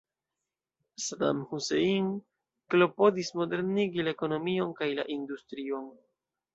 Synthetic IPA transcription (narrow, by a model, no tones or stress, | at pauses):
sada̰mhuseiŋ | klo̞po̞dismo̞de̞ɾniɡilaeko̞no̞mio̞nkajla̰ʔindustɾio̞n